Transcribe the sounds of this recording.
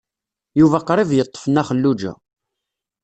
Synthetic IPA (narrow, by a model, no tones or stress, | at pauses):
juvæqɾˤivjət̪ˤːə̥fənːæχəlːud͡ʒæ̰